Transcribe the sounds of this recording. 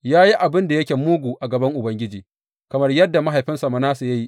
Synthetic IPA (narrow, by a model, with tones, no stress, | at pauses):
jaː˦ji˦ʔa˨bɪ˦nda˨jɐ˦kʲeː˨muː˦ɡʷuː˨ʔa˨ɡɐ˨bɐ˦ŋʔʊ˨bɐ˦ŋɡʲɪ˦d͡ʒiː˨ | kɐ˨mɐ˦rjɐ˦dːa˨ma˦ɦa˨jɸɪ˦nsɐ˨ma˦naː˦su˨jɐ˦ji˦ʔ